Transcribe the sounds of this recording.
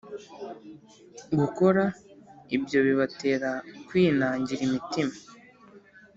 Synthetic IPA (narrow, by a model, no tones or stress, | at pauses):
ɡuko̞ɾaibjo̞βiβate̞ːɾakwiːnaːɲɟiɾimitima